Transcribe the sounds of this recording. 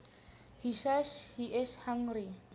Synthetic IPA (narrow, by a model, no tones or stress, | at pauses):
hisɛshiʔɪshãŋri